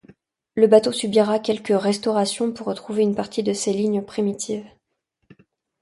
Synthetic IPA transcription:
ləbat̪osybiʁakʲɛlkəʁɛst̪ɔʁasjɔ̃puʁːət̪χuveynpaʁt̪ʰid̪əseliɲjpχimit̪ʰiːv

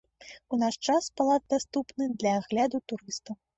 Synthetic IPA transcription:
unaʂt͡ʂaspalˠad̪̚d̪ast̪upnɨd̪lʲɐːɣlʲad̪ut̪uɾɨst̪ɐw

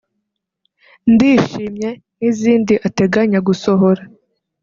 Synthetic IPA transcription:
ndiːʃiːmɲe̞ | niziːndiʔate̞ɡaɲaɡuso̞ɦo̞ɾa

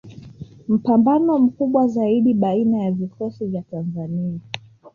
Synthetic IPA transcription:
m̩pambanɔm̩kuɓwazaiɗiɓainajavikɔsivjatanzania

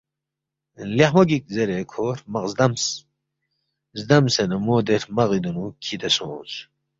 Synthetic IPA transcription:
leħmoɡik̚zeɾekʰoːɾmɐqzd̪ɐms | zd̪ɐmsenɐmoːd̪eɾmɐɣid̪unukʰid̪eso̰ːz

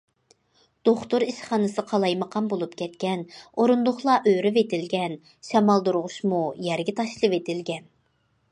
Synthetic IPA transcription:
d̪̥oχt̪ʊɾiʃχɑːnɨsɨqʰɑlˠɑjməqʰɑnbolˠupkʲʰɛt̪kʲʰɛnoɾund̪ʊχlˠɑʔøɾɪvet̪ɪlɡʲɛn | ʃɛmɑlˠd̪uɾʁʊʃmujɛɾɡʲɪt̪ʰɑʃlˠɨvet̪ʰɪlɡʲɛn

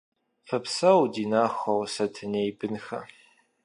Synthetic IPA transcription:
fɨpsɐwdiːnaːχɐwsɐtʰɨneːjbɨnxɐ̰

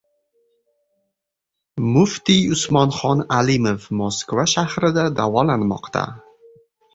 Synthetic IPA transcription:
mʊft̪iʊsmɒnχɒnalimofmɒskvaʃahɾɪd̪ad̪avɒlanmɒ̰qt̪ʰa̰

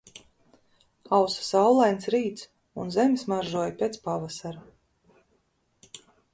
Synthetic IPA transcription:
awsḁsawlˠajnsɾiːt̪s | unzɛmismaɾʒuɔjpʲet̪spavasaɾa

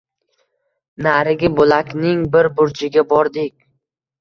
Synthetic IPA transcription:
naɾɪɡʲɪbolakʲnɪŋbɪɾbʊɾt͡ʃʰɪɡʲabɒɾd̪ɪkʲ

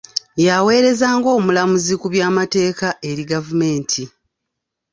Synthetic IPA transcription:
jawe̞ːɾe̞zaːŋɡo̞ːmulamuzikuβjaːmate̞ːkaʔe̞ɾiɡavume̞ːntʰi

